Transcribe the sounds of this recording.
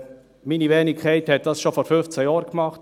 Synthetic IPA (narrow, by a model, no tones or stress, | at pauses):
minivɛːnɪkʰχɛɪthɛt̚d̥ɑsʃofoːɾfʏnft͡sɛjɑːɾkmɑχt